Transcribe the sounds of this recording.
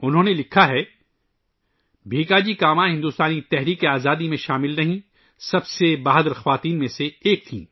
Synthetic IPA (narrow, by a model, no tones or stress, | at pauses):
ʊnɦõːnelɪkʰaɦɛ | bʱeːkaːd͡ʒikaːmãɦɪ̃nd̪uːst̪aːnit̪ɛɦɾiːkeaːzaːd̪imẽʃaːmɪlnɐɦĩ | sɐbsebaːɦd̪ɾxɐʋaːt̪iːnmẽseːk̚t̪ʰḭ̃ː